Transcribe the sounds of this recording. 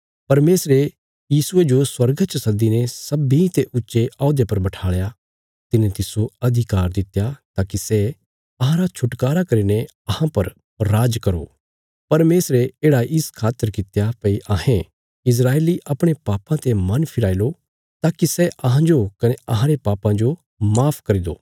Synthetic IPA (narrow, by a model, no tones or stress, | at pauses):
pɐɾmeːsɾe | jiːsʊed͡ʒoswɐɾɡt͡ʃsɐd̪inɛsɐbit̪eʔʊtːʃeʔaːʊd̪epɐɾbɐʈʰaːɭja | t̪ɪnet̪ɪsoɐd̪ʱɪkaːɾd̪ɪt̪jat̪aːkisɛ | ɐɦãɾat͡ʃʰʊʈkaːɾakɐɾine | ɐhãpɐɾː | aːd͡ʒkɐɾo̰ː | pɐɾmeːsɾeeːɽaʔɪskʰaːt̪ːəɾkɪt̪japɐiʔaɦẽ | ɪs̬ɾaːeːliʔɐpɽ̃epaːpãt̪emɐnpʰɪɽaːilo | t̪aːkisɛʔɐɦãd͡ʒokɐneɐɦãɾepaːpãd͡ʒo | maːpʰkɐɾid̪o̰ː